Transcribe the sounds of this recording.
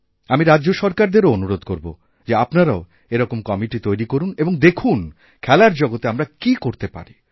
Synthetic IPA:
amiɾaːʑoʃɔɾkaɾd̪eɾoonuɾod̪koɾbo̰ | d͡ʑeapnaɾao | eɾɔkomkɔmiʈit̪ojɾikoɾuneboŋd̪ekʰun | kʰɛlaɾd͡ʑɔɡot̪eamɾakikoɾt̪epa̰ɾi

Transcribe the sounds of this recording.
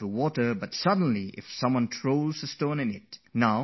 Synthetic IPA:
uwɔtə˞bʌtsʌd̃ⁿn̩liʔɪ̰fsʌ̃mwʌ̃ntʰɹ̥oʊlˠzəstõnɨ̃nɪt̚naʊ

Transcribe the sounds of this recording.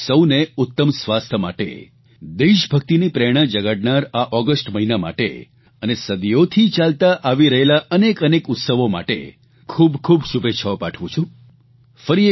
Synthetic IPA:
səwneʊt̪ːəmsʋast̪ʰəma̰ʈḛ | d̪eʃbʱək̚t̪inipɾɛɽ̃ãd͡ʒəɡaɽnaɾaʔɔɡəsʈməɦinama̰ʈḛ | ənesəd̪ijot̪ʰit͡ʃalt̪aʔaʋiɾəɦelaʔənekənekʊt̪səʋoma̰ʈḛ | kʰubkʰubʃubeʃʰaopaʈʰʋũt͡ʃʰũ | fəɾie

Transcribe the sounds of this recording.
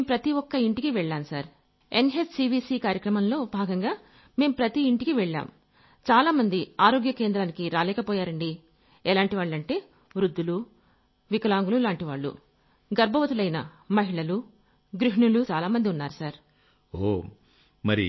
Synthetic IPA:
meːmpɾɐt̪iɔkːɐiɳʈikiʋɛɭːaːmsaːɾ | enɦessiːbiːsiːkaːɾjɐkɾɐmɐmlo̞ːbʱaːɡɐŋɡaː | me̞ːmpɾɐt̪iːɳʈikiʋɛɭːa̰ːm | t͡ʃaːlaːmɐnd̪iaːɾo̞ːɡjɐkeːnd̪ɾaːnikiɾaːlɛːkɐpɔːjaːɾɐɳɖi | ɛlaːɳʈiʋaːɭːɐɳʈe̞ː | ʋɾud̪ːulu | ʋikɐlaːŋɡululaːɳʈiʋaːɭːṵ | ɡɐɾbʱɐʋɐt̪ulɐjnɐ | mɐɦiɭɐlu | ɡɾiɦiɳulut͡ʃaːlaːmɐnd̪iunːaːɾusaːɾ | oː | mɐɾḭ

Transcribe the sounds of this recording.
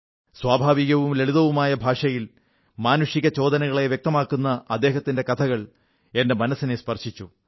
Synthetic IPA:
swaːbʱaːʋiɣɐʋumle̞ɭuðɐʋumaːjɐbʱaːʂɐjil | maːnuʂiɣɐt͡ɕo̞ːd̪ɐnɐɣɐɭe̞ʋjk̚t̪ɐmaːkːunːɐɐd̪ːeːɦɐt̪ːinde̞kɐt̪ʰɐɣɐɭ | e̞nde̞mɐnɐsinespɐrʂit͡ɕːu

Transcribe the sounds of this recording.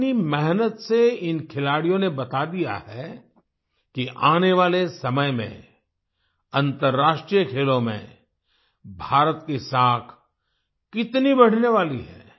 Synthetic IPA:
nimɛɦnət̪seɪnkʰɪlaːɽijõnebɐt̪ad̪ija̰hɛ | kiʔaːneʋaːlesɐməjmḛ̃ | ɐ̃nt̪əɾːaːʃʈɾijəkʰeːlõmḛ̃ | bʱaːɾət̪kesaːkʰ | kɪt̪nibɐɽ̤neʋaːliɦɛ̰ː

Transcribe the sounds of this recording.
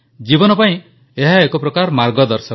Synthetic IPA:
d͡ʒibɔnɔpaĩ | eɦaekɔpɾɔkaɾmaɾɡɔd̪ɔɾsɔ

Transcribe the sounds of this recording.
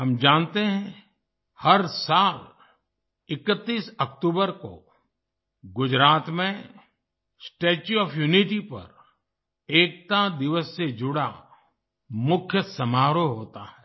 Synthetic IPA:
ɦɐmd͡ʒãːnt̪eɦɛ̃ | hɐɾsaːl | ɪkət̪ːiːsɐkʈ̪uːbəɾko̰ | ɡʊd͡ʒɾaːt̪mẽ | sʈeːt͡ʃuɔːfʰjuːnɪʈipɐ̰ɾ | eːk̚t̪ad̪ɪʋəsːed͡ʒʊɽa | mʊkʰjəsɐmaːɾoɦoːt̪aɦɛː

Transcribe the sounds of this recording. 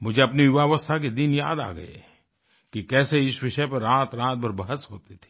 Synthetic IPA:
mʊd͡ʒʱeɐpniɪʋaːʋəst̪ʰak̬ed̪ɪnja̰ːd̪a̰ːɡɐ̰ḛ | kikɛːseɪsʋɪʃəpɐɾɾaːt̪ɾãːt̪̚bɐɾbɐɦəsɦoːt̪et̪ʰe̥ː

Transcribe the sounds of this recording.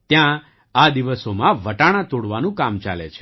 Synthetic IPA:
t̪jã | ad̪iʋəsomãʋəʈaɽ̃ãt̪oɽʋanũkamt͡ʃa̰lḛt͡ʃʰe̥

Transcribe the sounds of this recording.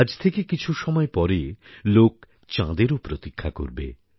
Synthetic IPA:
ad͡ʑt̪ʰekekit͡ɕʰuʃɔmɔepɔɾelok̚ | t͡ɕã̰d̪eɾopɾot̪ikʰːako̰ɾbḛ

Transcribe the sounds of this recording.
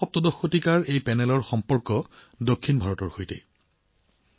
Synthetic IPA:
ɔp̚tɔdɔxːotikaɹejpɛnɛlɔɹxɔmpɔɹkɔ | dokʰːinbʱaɹɔtɔɹxojtɛ̰

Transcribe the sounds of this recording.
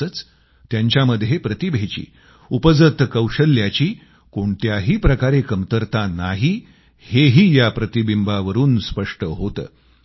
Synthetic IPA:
ət͡s | t̪jaɲt͡ɕjaməd̪ʱːjepɾət̪ibʱet͡ɕḭː | upəd͡zət̪kəwɕəlːjat͡ɕiː | koɳt̪jaɦiːpɾəkaɾekəmt̪əɾt̪anaɦi | heɦiːjapɾət̪ibimbaʋəɾuːnspəʂʈəɦot̪ə̰ː

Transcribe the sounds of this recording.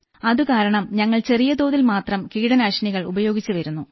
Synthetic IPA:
ɐðukaːɾɐɳɐmɲɐŋːɐɭt͡ɕe̞rijɐd̪o̞ːðilmaːt̪rɐmkiːɽɐnaʂɐniɣɐɭubɐjo̞ːɡit͡ɕːuʋɐɾunːu

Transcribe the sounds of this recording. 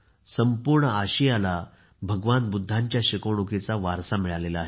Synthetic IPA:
səmpuɾɳəaɕijala | bʱəɡʋanbud̪ʱːãɲt͡ɕjaɕikəwɳ̃uket͡saʋaɾsamiɭalelaaɦe

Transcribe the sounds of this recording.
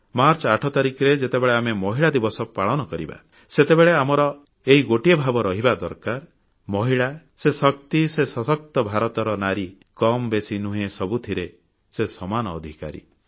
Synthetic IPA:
maɾt͡ʃɔaʈʰɔt̪aɾikɾed͡ʒet̪ebeɭeamemɔɦiɭad̪ibɔsɔpaɭɔnɔkɔɾiba̰ | set̪ebeɭeamɔɾɔ | eɦiɡoʈiɔbʱabɔɾɔɦibad̪ɔɾkaɾ | mɔɦiɭa | sesɔkt̪isesɔsɔk̚t̪ɔbʱaɾɔt̪ɔɾɔnaɾi | kɔmbesinuɦẽsɔbut̪ʰiɾe | sesɔmanɔːd̪ʱika̰ɾḭ

